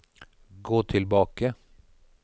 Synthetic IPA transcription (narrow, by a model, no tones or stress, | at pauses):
ɡoːt̪ʰɪlbɑːkə